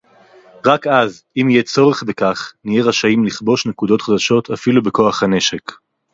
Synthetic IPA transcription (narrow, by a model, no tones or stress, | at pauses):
ʁakaz | imijet͡so̞ʁeχbekaχnijeʁaʃaimliχbo̞ʃnekud̪o̞t̪χad̪aʃo̞t̪ʰafilubeko̞aχhane̞ʃek